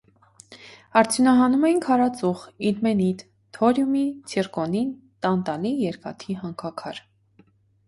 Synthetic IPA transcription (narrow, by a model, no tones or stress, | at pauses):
ɑɾt͡sʰjunɑɦɑnumɛjinkʰɑɾɑt͡suχilmɛnit̪ | t̪ʰɔɾjumit͡sʰirkɔnin | t̪ɑnt̪ɑlijɛɾkɑ̰t̪ʰiɦɑŋkʰɑkʰɑɾ